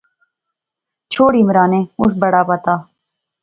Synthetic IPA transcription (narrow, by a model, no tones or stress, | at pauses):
t͡ʃʰoːɽiːmɾaːnẽːʊs̬bɐɽaːpət̪aː